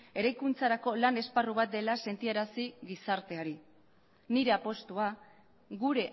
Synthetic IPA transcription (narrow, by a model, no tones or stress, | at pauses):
e̞ɾajkunt͡saɾako̞lane̞sparuβat̪̚d̪e̞lase̞nt̪ieɾasiɣisaɾt̪e̞aɾi | niɾe̞apo̞st̪ua | ɣuɾe̞ʔ